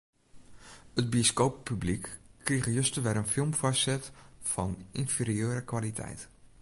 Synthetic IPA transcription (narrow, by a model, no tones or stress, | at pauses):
ədbioskoːppːyblikːriɣəjøstəʋɛɾənfɪlˠmfɔssɛtfɔninfiːɾiøːɾəkʋalitʰɛ̰jt